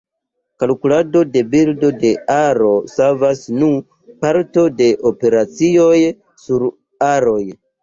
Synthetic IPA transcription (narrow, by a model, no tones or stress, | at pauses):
kalkulado̞de̞bildo̞de̞aɾo̞savasnu | paɾto̞de̞ʔope̞ɾat͡sio̞j | suɾ | aɾo̞j